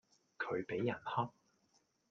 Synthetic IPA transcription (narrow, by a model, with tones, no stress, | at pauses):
kʰɵ˨˧ɥpe˨˥jːɐ˨˩nhɔː˥k̚